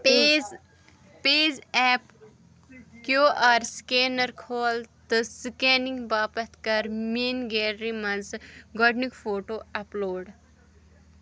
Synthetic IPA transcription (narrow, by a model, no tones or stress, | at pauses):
p | peːzɛːp | kjoːʔaːɾskeːnɐɾkʰoːlt̪ɨsikeːniŋɡbaːpɐt̪ʰkɐɾmeːnɡeːɾːimɐnzɡɔɖnikfʰoːʈoːɐploːɖ